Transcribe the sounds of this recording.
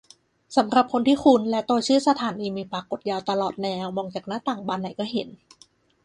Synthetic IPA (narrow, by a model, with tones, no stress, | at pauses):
sa˩˦mɾa˨˩p̚kʰo˧nt̪ʰiː˥˩kʰu˧nlɛ˦˥t̪o˧t͡ɕʰɯː˥˩sa˧t̪ʰaː˩˦niː˧miː˧pɾa˧ko˨˩t̪̚jaː˧wt̪a˧lɔː˨˩t̪̚nɛː˧wmɔː˧ŋt͡ɕaː˨˩k̚na˦˥t̪aː˨˩ŋbaː˧nːa˨˦jkɔː˥˩ɦe˩˦n